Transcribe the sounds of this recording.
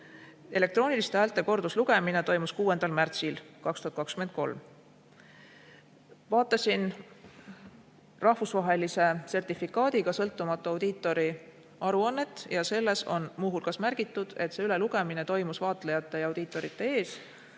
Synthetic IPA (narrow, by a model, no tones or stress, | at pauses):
e̞le̞k̚t̪ro̞ːnilist̪æːlt̪ːˑe̞ko̞rd̪usluɡ̥e̞mine̞t̪o̞jmuskuːe̞nd̪̥ɑlmært̪silkɑkst̪uhɑt̪kɑkskymen̚ko̞̰lm | vɑːt̪ːˑɑsin | rɑhvusvɑɦe̞lise̞se̞rt̪ifikːˑɑːd̪̥iɡɑsɤ̞lt̪ːumɑt̪ːˑuɑwd̪̥iːt̪ːˑo̞ɾi | ɑɾuɑnːe̞t̪ːˑjɑse̞lːe̞so̞̰nmuɦulkɑsmærɡ̥it̪ːˑud̪̥e̞t̪ːse̞yle̞luɡ̥e̞mine̞t̪o̞jmusvɑːt̪ˑlejɑt̪ːˑe̞jɑwd̪iːt̪ːˑo̞ɾit̪ːˑe̞e̞ːs